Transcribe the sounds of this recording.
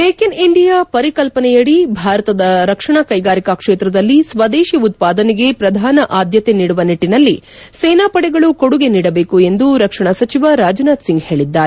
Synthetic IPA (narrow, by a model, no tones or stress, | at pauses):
peːkiniɳɖijaːpɐɾikɐlpɐnɛjɐɽibʱaːɾɐt̪ɐd̪ɐɾɐkʂɐɳɐkɐjɡaːɾikakʂeːt̪ɾɐd̪ɐlːisʋɐd̪eːʃiut̪̚paːd̪ɐnɛɡe̞pɾɐd̪ʱaːnɐʔaːd̪ʱjɐt̪eniːɽuʋɐniʈːinɐlːi | seːnaːpɐɽɛɡɐɭukoɽuɡe̞niːɽɐbe̞ːkue̞nd̪uɾɐkʂɐɳɐsɐt͡ʃiʋaɾaːd͡ʒɐnaːd̪siŋɡhe̞ːɭid̪ːaːɾe